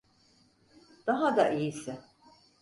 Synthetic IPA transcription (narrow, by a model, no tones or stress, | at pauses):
d̪̥aɦad̪aʔijisɪ